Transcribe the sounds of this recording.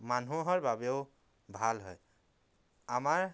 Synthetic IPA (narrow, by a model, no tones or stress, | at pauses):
manuɦɔɹbabeʊ | bʱalɦɔ̰j | amaɹ